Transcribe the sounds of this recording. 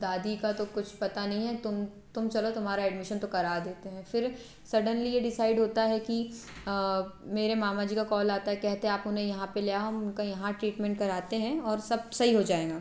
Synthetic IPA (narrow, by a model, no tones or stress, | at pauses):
d̪aːd̪ikat̪okʊt͡ʃʰpɐt̪anɐɦĩɦɛt̪ʊm | t̪ʊmt͡ʃɐlot̪ʊmɦaːɾaɛːɖmɪʃənt̪okɐɾaːd̪eːt̪eɦɛ̃fɪɾ | sɐɾɖənlijeɖɪsaːɪɖɦoːt̪aɦɛki | meːɾemaːmad͡ʒiːkakɔːlaːt̪aɦɛkɛɦt̪eɦɛ̃aːpʊnɦẽjɐɦãpelejaɦoʊnkajɐɦãʈɾiːʈmɛ̃ɳʈkɐɾaːt̪eɦɛ̃ɔːɾsɐb̚sɐɦiɦod͡ʒaːeːɡaː